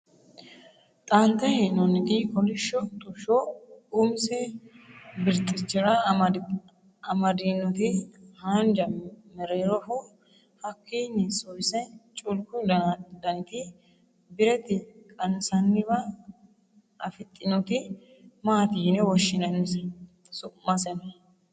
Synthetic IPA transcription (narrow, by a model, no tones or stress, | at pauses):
t̪ʼɐnt̪ːɛhɛnɔnːɪt̪ɪkɔlɪʃːɔt̪ʼʊʃɔʊmsɛ | bɪɾt̪ʼːɪt͡ʃːɪɾɐ | ɐmɐd̪inːɔt̪ɪhand͡ʒɐmɛɾeːɾɔfʊ | hɐkːinːɪsɔjsɛt͡ʃʼʊlkʊd̪ɐnd̪ɐnɪt̪ɪ | bɪɾɛt̪ɪkʼɐnsɐnːɪbɐ | ɐfɪt̪ʼːɪnɔt̪ɪ | maːt̪iːnɛwɔʃːɪnɐɪmɪsɛ | sʊmɐsɛnɐ